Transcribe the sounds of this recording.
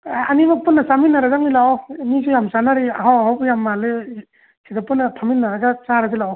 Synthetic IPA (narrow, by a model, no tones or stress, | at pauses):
animapunːasaminːaɾaɡaŋnilamis̬ujamsanaɾiaɦawɦawbjamːale | sʰidapɯnːatʰaminːaɾaɡasaɾazilaw